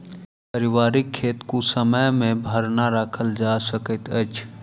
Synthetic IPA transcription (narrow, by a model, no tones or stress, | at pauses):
pəɾɪwaːɾɪkʰːeːt̪kusəməjmẽbʱəɾnaɾəkʰəld͡ʒasəkət̪ət͡ʃʰ